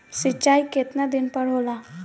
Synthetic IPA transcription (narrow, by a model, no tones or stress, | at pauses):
sɪt͡ʃːaːiket̪nad̪ɪnpəɽɦola